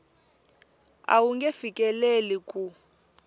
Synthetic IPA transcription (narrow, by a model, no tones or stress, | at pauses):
a̰wuŋɡefikʼɛlelikʼu